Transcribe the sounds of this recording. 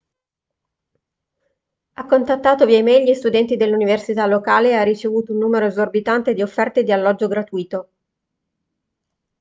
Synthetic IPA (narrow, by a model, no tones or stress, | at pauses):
akːont̪at̪ːaːt̪oviɛmɛʎːist̪ud̪ɛnt̪id̪elːuniversit̪alːokaːlearːit͡ʃevuːt̪ounːuːmeɾoezorbit̪ant̪ed̪iofːɛrt̪ed̪ialːɔd͡ʒːoɡɾat̪uːiːt̪o